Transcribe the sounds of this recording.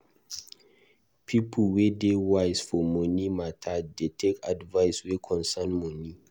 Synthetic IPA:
pʰipʰəlwedewaɪsfɔmɔnimatʰadetʰekadvaɪswekʰɔ̃nsanmɔni

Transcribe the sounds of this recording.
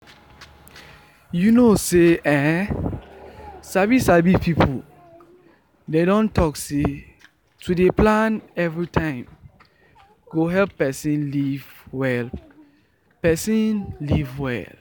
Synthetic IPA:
junoseɛ | sabisabipʰipʰu | dedɔ̃ntɔkse | tʰudeplãnɛvɹitʰãɪ̃m | ɡ̥oɦɛlpːɛsĩnlivwɛl | pɛsĩnlivwɛ̰l

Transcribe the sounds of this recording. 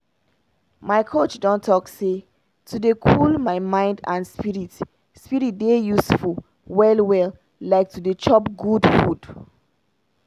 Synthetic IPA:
maɪkʰot͡ʃdɔ̃ntʰɔkse | tʰudekʰulmaɪmãɪ̃ndãnspiɹit | spiɹit̚dejusful | wɛlwɛl | laɪk̚tudet͡ʃɔpɡudfud

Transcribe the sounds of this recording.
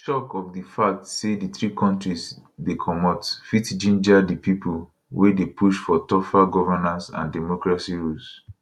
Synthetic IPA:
tɔkɔfdifak̚tseditɹikɔ̃ntɹisdekʰɔmɔtfitd͡ʒĩnd͡ʒadipipʰul | wʔedepuʃfɔtɔfaɡɔvanãnsã̰ndɛmɔkɹasiɹus

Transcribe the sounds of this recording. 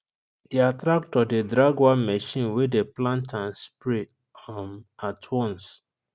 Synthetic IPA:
d̥eatɾak̚tɔdedɾaɡwamɛʃĩnwedeplãntãnspɹe | matʰwɔ̃ns

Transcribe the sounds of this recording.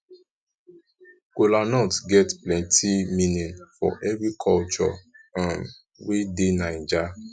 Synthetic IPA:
kelanɔtɡɛtplɛ̃ntʰimĩnĩnfɔ̰ʔɛvɾikʰɔlt͡ʃɔ̰ | ãm | wedenãĩd͡ʒa

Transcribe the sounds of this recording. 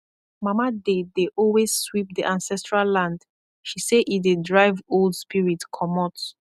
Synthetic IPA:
mamadedeʔɔlwezswip̚diʔãnsɛstɹallãnd | ʃiseʔidedɹaɪvoldspiɹitkʰɔmɔt

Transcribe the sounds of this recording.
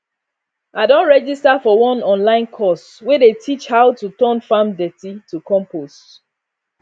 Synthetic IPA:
ʔadõnɹɛd͡ʒistafɔwɔ̃nɔ̃nlãɪ̃nkʰɔs | wedetʰit͡ʃhaʊtutɔnfamdɛtitukɔ̃mpost

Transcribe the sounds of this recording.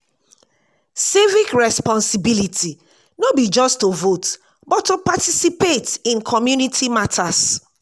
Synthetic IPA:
sivikɹɛspɔ̃nsibilitʰi | nobid͡ʒɔstovot | bɔtːopatisipetĩnkʰɔmjunitʰimatʰas

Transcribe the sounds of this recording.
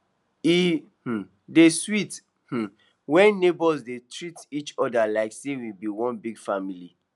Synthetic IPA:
i | h̩ | deswit | h̩ | wɛ̃nnebɔzdetɹitit͡ʃɔdalaɪksewibiwɔ̃nbiɡfamili

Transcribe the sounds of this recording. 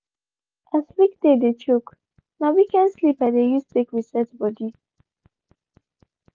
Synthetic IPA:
aslikd̪ed̪et͡ʃuk | nawikãnslipad̪ejustekwisɛtbɔd̪i

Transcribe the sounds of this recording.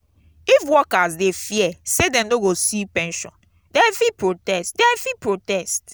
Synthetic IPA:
ifwɔkazdefiɛsedɛ̃mdoɡosipɛ̃nʃɔ̰̃n | dɛfipɹotɛstdɛ̃fipɹotɛst

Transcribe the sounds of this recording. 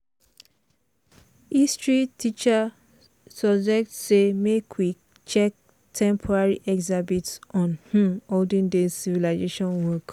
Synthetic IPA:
istɹitʰit͡ʃa | sɔbd͡ʒɛk̚tsemekʰwi | t͡ʃɛk̚ | tʰɛ̃mpʰɔɹaɹiʔɛkzabitsɔ̃nhũmholdĩŋdesivilaɪzeʃɔ̃nwɔk

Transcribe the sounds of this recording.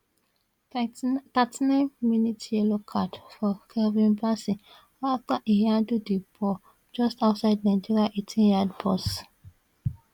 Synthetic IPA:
t̪atinãnminitjelokʰadfɔkʰɛvĩnbasĩ | aftaʔihadudibɔ | d͡ʒɔstaʊtsaɪd̚nad͡ʒiɾiaʔitʰĩnjadbɔs

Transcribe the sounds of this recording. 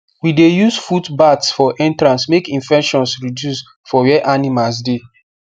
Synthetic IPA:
widejusfudbatsfɔʔɛ̃ntɾãnsmekĩnfɛkʃɔ̃nsɹidjus | fɔwɛʔanimals̬de

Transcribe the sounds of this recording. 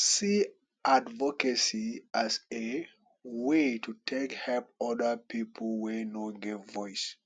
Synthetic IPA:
si | advɔkəsiʔaze | wetʰutʰekhɛlp̚ɔdə˞pʰipʰl̩wenoɡɛvvɔɪs

